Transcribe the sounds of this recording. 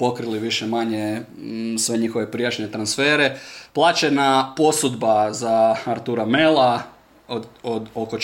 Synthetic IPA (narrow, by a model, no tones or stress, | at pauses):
po̞kɾiliʋiʃemaɲe | sʋe̞ɲixoʋe̞pɾijat͡ʃɲe̞t̪ɾansfeːɾeplˠaːt͡ʃenapo̞sud̪bazaaɾt̪uɾamelˠa | od̪okot͡ʃ